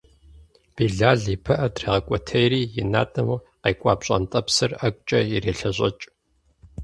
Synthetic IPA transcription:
b̥iːɮaːɮipʰɐʔɐdriːʁɐkʷʼɔtʰɐjɾiːjɪna̰ːtʼɐmuː | qejkʷʼaːpɕʼɐ̰ntʼɐpsɨrɐkʷʼt͡ʃʼɐjɪreːɬɐɕʼɐt͡ʃʼ

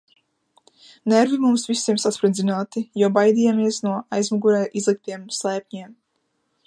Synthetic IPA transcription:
nɛɾvimumsvisiɛmsat̪spɾid̪zinaːt̪ijɔwbajd̪ijaːmiɛsnuɔajzmaɡuɾɛjʔizlˠik̚t̪iɛmslˠɛːp̚ʲɲiɛm

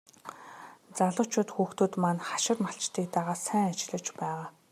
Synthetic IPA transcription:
t͡saɮʊ̆t͡ɕʰʊːt̪xuːxt̪ŭt̪manχḁʃɪ̆rmaɬt͡ɕt̪iːk̚t̪aʁaːsæːŋat͡ɕɪɮə̆t͡ɕpæːʁaː

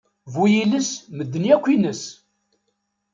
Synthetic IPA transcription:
vujiləsməd̪ːənjækʷːinəs

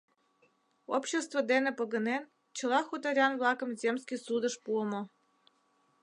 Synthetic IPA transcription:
opɕest̪vəd̪enĕpəɣə̆nen | t͡ɕə̆lɑxut̪ɑɾʲɑnvlˠɑkə̆mzʲemskʲisud̪ə̆ʃpuəmŏ

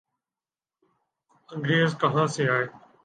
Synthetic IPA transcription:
ə̃ŋɡɾeːəzkəɦãːsĩːaːɦeː

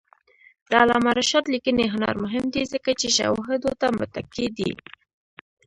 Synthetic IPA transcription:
d̪̥əalɑ̰maɾaʃɑt̪likəneɦʊnɑ̰ɾmʊɦɪmd̪izəkat͡ʃeʃa̰wɦɪd̪ot̪amʊt̪aked̪ḭ

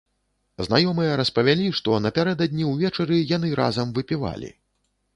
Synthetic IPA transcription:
znajɔmɨjɛɾɐspɐvʲalʲiʂt̪ɔnɐpʲaɾɛd̪ɐd̪ʲnʲiwvʲɛt͡ʂɐɾɨjanɨɾa̰zɐmvɨpʲiva̰lʲḭ

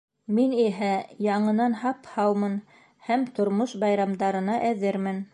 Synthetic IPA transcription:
miniɦæjɑɴɤ̆nɑnhɑphɑwmɤn | hæmt̪ŏɾmoʃbɑjɾɑmd̪ɑɾɤ̆nɑʔæðɘɾmɘn

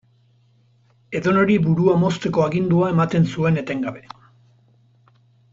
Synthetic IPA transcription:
e̞ðo̞no̞ɾibuɾuamo̞st̪e̞ko̞aɣind̪uae̞mat̪e̞nsue̞ne̞t̪e̞ŋɡaβe̞

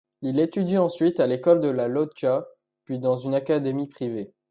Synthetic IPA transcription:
ilet̪yd̪iɑ̃sɥit̪alekɔld̪əlalɔd͡ʒa | pɥid̪ɑ̃zynakad̪emipχive

